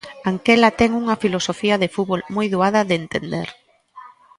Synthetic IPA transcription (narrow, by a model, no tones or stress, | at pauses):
aŋkɛlat̪ɛŋuŋɐfilosofiɐðefuβolmojðuaðɐðɪːnt̪ḛnd̪eɾ